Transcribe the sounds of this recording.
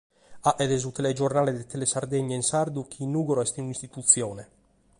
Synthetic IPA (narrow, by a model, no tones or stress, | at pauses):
aʔɛd̪ɛzut̪eled͡ʒornaːled̪et̪elesaɾd̪eɲːainsaɾd̪ukʰinuːɡoɾɔɛst̪inunist̪it̪ut̪sːjoːne